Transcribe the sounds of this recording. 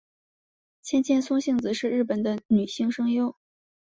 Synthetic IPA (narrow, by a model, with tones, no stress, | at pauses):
t͡ɕʰjɛ˥nt͡ɕjɛ˥˧nt͡sʰʊ˥ŋɕi˥˩ŋt͡sɹ̩˧˦ʂɻ̩˥˧ɻ̩˥˩pə˨˩nd̪ə˦ny˨˩ɕi˥˧ŋʂɤ˥ŋjo˥ʊ